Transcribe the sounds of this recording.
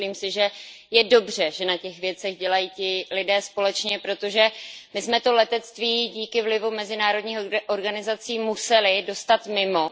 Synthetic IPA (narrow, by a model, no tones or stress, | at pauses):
liːmsɪʒɛ | jɛdo̞br̝ɛʒɛnacɛxvjɛt͡sɛɣɟɛlajiːcɪlɪdɛːspo̞lɛt͡ʃɲɛpɾo̞t̪o̞ʒɛmɪsmɛt̪o̞lɛt̪ɛt͡st̪viːɟiːkɪvlɪvumɛzɪnaːɾo̞dɲiːxʔoɾɡanɪzat͡siːmusɛlɪdo̞st̪at̪mɪmo̞